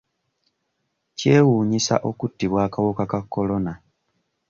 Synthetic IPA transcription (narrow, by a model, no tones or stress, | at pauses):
ce̞ːwuːɲisa̰ʔo̞kutːiβwaːkawokakakːo̞lo̞na